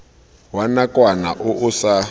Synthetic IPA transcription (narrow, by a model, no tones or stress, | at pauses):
wanakʼwana̰ʔʊʔʊsa